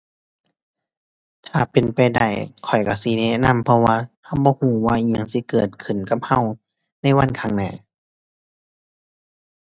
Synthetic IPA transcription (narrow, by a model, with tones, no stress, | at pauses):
t̪ʰaː˨˩pe˨npa˨jda̰˧˩jkʰɔ˨˩jka˧˩si˧˦ne˧˥na˧˥˨mpʰɔ˧waː˧ha˧˩wbɔː˧˦huː˧˩waː˧˨ʔi˧˩ɲa˧˨ŋsi˧˦kɤː˨˩t̪̚kʰɯ˨˩˨nka˧˦p̚ha˧˨w | na˧˥˩jwa˧˥˨nkʰa˧˩˨ŋnɛ̰ː˧˩